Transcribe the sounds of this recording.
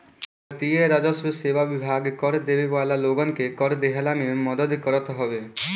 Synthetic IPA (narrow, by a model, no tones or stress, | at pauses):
ət̪ieɾad͡ʒɔsɾiseʋaʋibʱaɡkɔɾd̪ebeʋalaloɡɔnkekɔɾd̪eɦalamemɔd̪əd̪kɔɾɔt̪ɦɔbe